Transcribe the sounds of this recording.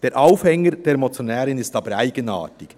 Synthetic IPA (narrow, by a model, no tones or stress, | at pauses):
d̥eːɾʔaʊfhɛŋːəɾd̥eːɾmɔt͡sjonɛːɾɪnɪstɑːbəɾæɪɡ̥əna̰ːtɪk